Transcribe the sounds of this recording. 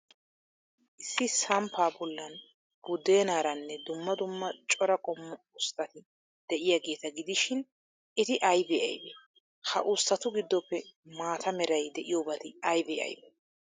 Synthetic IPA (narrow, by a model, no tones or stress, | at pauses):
ʔɪsːɪsɐmpʰaːbɔlːɐn | b̥ʊd̪e̞ːnaːɾɐnːɛd̪ʊmːɐd̪ʊmːɐt͡ʃʼɔɾɐkʼɔmːɔʊst̪ːɐt̪ɪ | d̪̥ɛʔɪjaɡe̞ːt̪ɐɡɪd̪ɪʃɪn | ɪt̪ɪʔɐjbeːʔɐ̰jbe | hɐʔʊst̪ɐt̪ʊɡɪd̪ːɔpːɛmaːt̪ʰɐmɛɾɐjd̪ɛʔɪjoːbɐt̪ɪɐjbḛːʔɐ̰jbe